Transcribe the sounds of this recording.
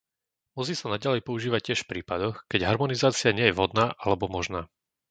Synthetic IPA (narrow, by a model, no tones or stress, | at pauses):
mʊɔs̬iːsanaɟalɛjpɔuʒiːʋac̚ːɪɛʃfpɾiːpad̪ɔxkɛɟɦaɾmɔnizaːt͡sɪaɲɪɛjɛvɦɔd̪naːʔalɛbɔmɔʒnaː